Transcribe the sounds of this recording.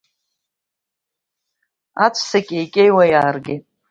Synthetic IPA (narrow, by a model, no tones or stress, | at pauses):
at͡ʃʷʰsakʲʼejkʲʼejwajaːrɡʲetʼ